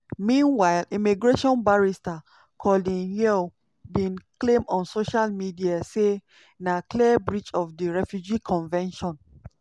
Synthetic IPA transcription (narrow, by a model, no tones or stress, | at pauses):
mĩnwaɪlĩmiɡɹeʃɔ̃nbaɹista | kʰɔldĩnjɛ | bĩnklẽmɔ̃nsoʃalmidiase | nakliəbɹit͡ʃɔfdiɹɛfjud͡ʒikʰɔ̃nvɛ̃nʃɔ̃n